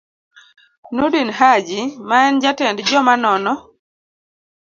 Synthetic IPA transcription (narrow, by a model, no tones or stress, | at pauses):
nodinhad͡ʒimaɛnd͡ʒatɛndd͡ʒɔmanɔnɔ